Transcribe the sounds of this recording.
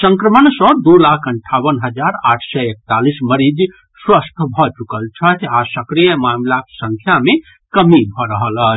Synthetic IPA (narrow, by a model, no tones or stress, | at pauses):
sə̃ŋkɾəmənsə̃d̪ulakʰəɳʈʰawənɦəd͡ʒaɾaʈʰsɛek̚t̪alisməɾid͡ʒ | swəst̪ʰbʱɔt͡ʃukəlt͡ʃʰət̪ʰasəkɾijəmamlaksə̃ŋkʰjame | kəmibʱɔɾəɦələt͡ʃʰ